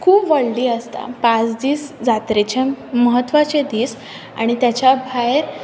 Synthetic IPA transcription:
kʰuːpʋəɭɖiːəst̪a̰pãt͡sd̪iːsd͡zat̪ɾet͡ɕeməɦət̪ːʋat͡ɕed̪iːs | a̰ɽ̃it̪jat͡ɕabʱajɾ

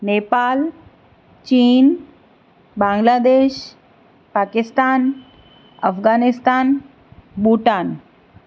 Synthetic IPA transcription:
nepaːl | t͡ɕiːn | bãŋɡlad̪eːʃ | paːkist̪aːn | əfɡaːnist̪aːn | buʈaːn

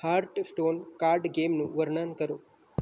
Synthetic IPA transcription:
haːɾʈsʈoːnkaːɾɖɡeːmnuʋɐɾɳaːnkɐɾoː

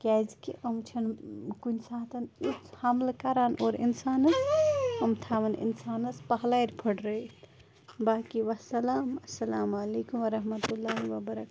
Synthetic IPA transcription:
kɛd͡ʒkiʔəmt͡ʃʰənkunsãːt̪ɐnit͡ʃhamlkaɾaːnʔoɾḭnsaːnɐsəmt̪ʰaʋɐnḭnsaːnɐspɐɦlajɾpʰəɽɾəit̪ʰ | baːkiʋɐsɐlaːmɐsːɐlaːmaleːkumʋɐɾɐɦmət̪ulːaːɦiʋɐbɐɾɐka

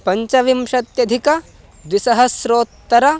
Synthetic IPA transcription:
pɐɲt͡ʃɐʋimʃɐt̪jɐd̪ʱikɐ | d̪ʋisɐɦɐsɾoːt̪ːɐɾɐ

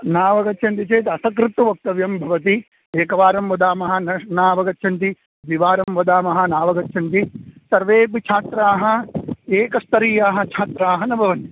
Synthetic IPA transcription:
naːʋɐɡɐtːt͡ʃʰɐnt̪it͡ʃeːt̪ɐsɐkɾɪt̪uʋɐk̚t̪ɐʋjɐmbʱɐʋɐt̪̬i | eːkɐʋaːɾɐmʋɐd̪aːmɐɦɐ̆nɐnaːʋɐɡɐt̪ːt͡ʃʰɐnt̪i | ʋiʋaːɾɐmʋɐd̪aːmɐɦɐ̆naːʋɐɡɐt̪ːt͡ʃʰɐnt̪isɐɾʋeːpit͡ʃʰaːt̪ɾaːɦɐ̆eːkɐst̪ɐɾiːjaːɦɐ̆t͡ʃʰaːt̪ɾaːɦɐnɐbʱɐʋɐni

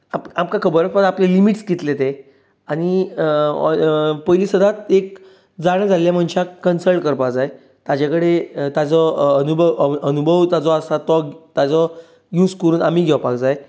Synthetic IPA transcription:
apamkakʰəbəɾəpad̪aplelimiʈsɡit̪let̪e | aɽ̃ḭ | pəjlisəd̪ʱat̪ek̚ | d͡zaɽ̃ad͡zalljam̤əɳɕakənsəlʈkəɾpad͡zaj | t̪ad͡ʑakəɽet̪at͡sɔənubʱəʋənubʱəʋt̪ad͡zɔasat̪ɔt̪jad͡zɔ | juːd͡zkəɾuːnamiːɡʱɛʋpakd͡zaj

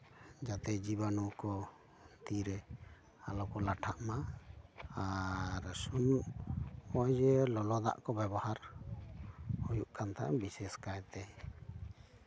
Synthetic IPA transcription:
d͡ʒat̪ɛd͡ʒibanɔkɔ | t̪iɾɛ | alɔkɔlaʈʰaʔma | aɾsunuʔ | ɔjd͡ʒɛlɔlɔd̪a̰ʔkɔbɛbɔhaɾ | hujuʔkʰant̪ʰa̰ʔbisɛskajt̪ɛ

